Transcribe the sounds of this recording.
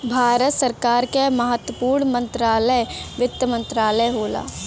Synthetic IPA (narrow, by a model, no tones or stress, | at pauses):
bʱaːɾət̪səɾkaːɾkeməɦət̪wəpuːɾɳmə̃nt̪ɾaːləjʋɪt̪ːəmə̃nt̪ɾaːləjɦoːla̰ː